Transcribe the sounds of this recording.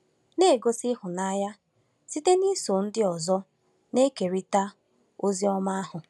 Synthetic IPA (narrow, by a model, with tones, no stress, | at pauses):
ne˦˨ɡo˦sɪ˦ɦʊ˨na˦ja˦ | si˦te˦ni˦so˨n̩˦dɪ˦ɔ˨zɔ˦ | ne˦ke˨ɾi˦ta˦ | o˦zi˦ɔ˦ma˦a˦ɦʊ˨